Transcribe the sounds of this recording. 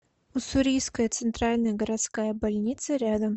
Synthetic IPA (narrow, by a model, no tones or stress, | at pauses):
ʊsʊɾʲijskəjət̪sɨnt̪ɾalʲnəjəɡəɾɐt̪skajəbalʲnʲit̪sɨɾʲad̪əm